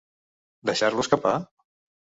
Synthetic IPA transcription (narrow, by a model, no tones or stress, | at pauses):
d̪əʃaɾluəskapa